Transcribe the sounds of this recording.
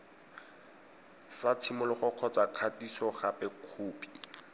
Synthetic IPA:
sat͡sʰimʊlɪχʊq͡χʰɔt͡saq͡χʰatisɔχapɛkʰuːpʼi̥

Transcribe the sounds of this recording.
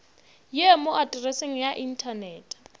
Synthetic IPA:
jemoʔadʼrɛseŋ̩jaʔin̩tʰanɛːtʼ

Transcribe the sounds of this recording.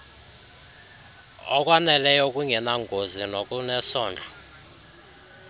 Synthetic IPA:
ɔ̰k̬ʼwanɛlɛjɔk̬ʼuŋɛnaŋɡʱozinok̬ʼunɛsɔːnd͡ɮʱa

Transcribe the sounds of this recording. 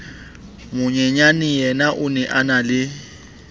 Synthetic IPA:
mʊɲɛɲanɪjɛnaʔʊnɛʔanalɪ

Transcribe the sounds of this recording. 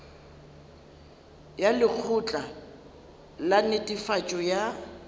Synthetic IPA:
jalɪk͡xʰʊt͡ɬʼa | lanɪtʼifat͡ʃʼɔja

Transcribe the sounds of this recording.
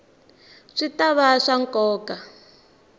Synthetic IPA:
ʂitaβaʂaŋkʼɔːka

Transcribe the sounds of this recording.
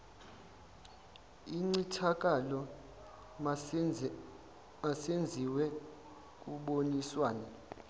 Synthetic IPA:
iŋ͡ǀitʰak̬ʼalɔ | asend͡zʱiwɛ | k̬ʼuɓoniswaːna

